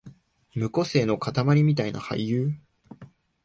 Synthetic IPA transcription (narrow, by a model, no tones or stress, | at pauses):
mɯ̟ko̞se̞ːno̞kat̪amaɾʲimʲit̪aina̰ha̰ijɯː